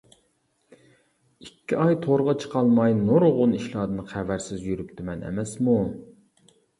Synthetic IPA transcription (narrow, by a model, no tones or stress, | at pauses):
ikʲʰːiʔɑjt̪ʰoɾʁɑt͡ʃʰə̥qɑlˠmɑjnoɾʁʊniʃlˠɑːd̪ɨnɨχævæɾsɪzjyɾyp̚t̪ʰymɛnɛ̰mɛsmu